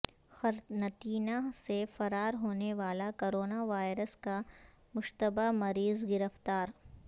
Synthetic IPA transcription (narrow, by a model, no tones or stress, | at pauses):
xɐɾnɐt̪iːnasefɐɾaːɾɦoːneʋaːlakoːɾoːnaʋaːɪɾəska | mʊʃt̪əbamɐɾiːzɡɪɾəft̪aːɾ